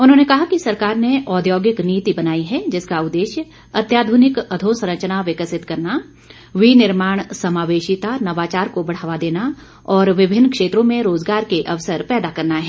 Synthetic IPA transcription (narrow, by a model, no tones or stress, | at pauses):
ʊnɦõːnekɐɦakisɐɾkaːɾneʔɔːd̪joːɡɪkniːt̪ibɐnaːiɦɛd͡ʒɪskaʊd̪ːeːʃjə | ɐt̪jaːd̪ʱuːnɪkɐd̪ʱõːsɾə̃t͡ʃnaʋɪkəsɪt̪kɐɾna | ʋinɪɾmaːɽ̃sɐmaːʋeːʃɪt̪anɐʋaːt͡ʃaːɾkobɐɽ̤aːʋad̪eːna | ɔːɾʋɪbʱɪnːkʃeːt̪ɾõmẽɾoːzɡaːɾkeʔɐʋsəɾpɛːd̪akɐɾnaɦɛː